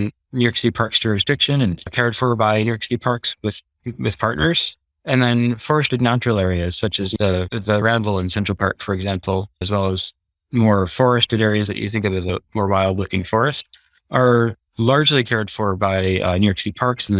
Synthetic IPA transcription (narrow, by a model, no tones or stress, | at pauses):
njʉksɪɾipʰɑɹksʊɹɨsd̥ɪkʃɨ̃nɨ̃nkʰɛɹid̥fə˞baɪnjʉksɾipʰɑɹkswɨð̥ | wɨð̥pʰɑɹtⁿnə˞z̥ | ɨ̃nðɨ̃nfɔɹɨstɨdⁿnãnt͡ʃɹ̥l̩ˠɛɹiɨz̥sʌt͡ʃɨzɨðɨɹæ̃nbl̩ˠə̃nsɛ̃nt͡ʃɹ̥l̩ˠpʰɑ̰ɹkfə˞ɨɡzæ̃mpʰl̩ˠɨzwɛlˠəz̥ | mɔɹfɔɹɨstɨ̃ɾɛɹiɨzðɨ̰t͡ʃɨ̰θɪ̃ŋkʌvɨzəmɔɹbaɪlˠdˡlʊkɪ̃ŋfɔɹɨst | ʔə˞ | lɑɹd͡ʒlikʰɛɹid̥fə˞baɪnjʉksɾipʰɑɹksn̩